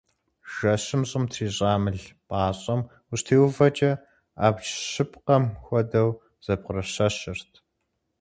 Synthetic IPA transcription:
ʒ̥ɐɕɪmɕʼɪmtʰriːɕʼaːmɨɮpʼaːɕʼɐm | ʊɕtʰeːwvɐt͡ʃʼɐ | aːpt͡ʃɕɪpqɐmxʷɔdɐw | z̥ɐb̚qʊrɐɕɐɕɪrtʰ

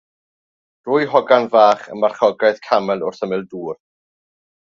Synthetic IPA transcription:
d̥rʊːjɦɔɡanvaːχə̰nmarχɔɡajðkʰamɛlˠʊr̥θəmɪlˠduːr

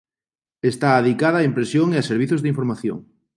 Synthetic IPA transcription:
est̪aːðikaðɐːimpɾesjoŋeaseɾβiθozðɪiɱfoɾmaθjo̰ŋ

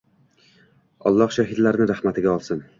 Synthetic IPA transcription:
ɒ̰lˠːɒhʃaɦɪd̪laɾnɪɾahmat̪ʰɪɡʲaɒlˠsɪn

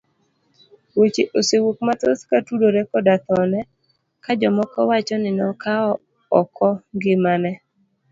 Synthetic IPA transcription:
wot͡ʃeʔosewok̚mat̪oskatudoɾɛkɔdat̪ɔnɛ | kad͡ʒɔmɔkɔwat͡ʃɔnɪnɔkaɔ | ɔkʰɔŋɡɪmanɛ

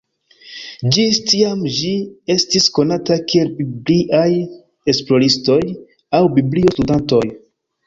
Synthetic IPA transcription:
d͡ʒistiamd͡ʒie̞stisko̞natakie̞lbibliʔaj | e̞splo̞ɾisto̞j | awbiblio̞studanto̞j

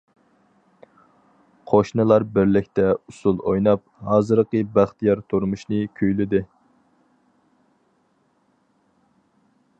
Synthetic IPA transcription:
qʰoʃnɨlˠɑɾbɪɾlɪkʲt̪ɛusulˠojnɑp̚hɑːzɨɾqəbæχt̪ʰijɑɾt̪ʰuɾmuʃnɨkʲʰøjlɪd̪ɪ

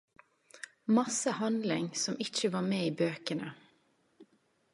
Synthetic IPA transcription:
mɑsəhɑnd̪lɪ̰ŋsɔmʔɪt͡ʃəʋɑːmeːiːbøːkənə

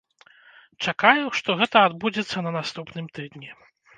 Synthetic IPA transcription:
t͡ʂakajuʂt̪ɔɣɛt̪ɐad̪bud͡zʲɛt̪sːɐnɐnast̪upnɨmt̪ɨd̪nʲɛ

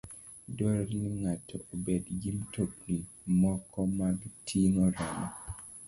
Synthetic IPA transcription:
dɔɾɾniŋatʰɔobedɡimtʰokli | mɔkʰɔmaɡtʰiŋɔɾanɔ

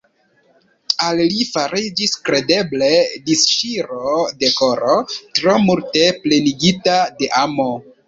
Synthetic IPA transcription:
allifaɾid͡ʒiskɾe̞de̞ble̞disʃiɾode̞ko̞ɾotɾo̞multe̞ple̞niɡitade̞ʔamo̞

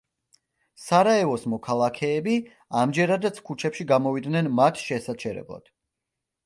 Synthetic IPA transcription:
saɾaɛvɔsmɔkʰalˠakʰɛːbi | amd͡ʒɛɾad̪at̪sʰkʰut͡ʃʰɛpʃiɡamɔvid̪nɛnmat̪ʰʃɛsat͡ʃʰɛɾɛ̰blˠa̰d̪̥

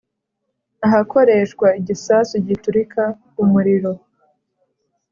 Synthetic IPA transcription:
aɦako̞ɾe̞ʃkwaiɟisasuɟituɾikʰa | umuɾiɾo̞

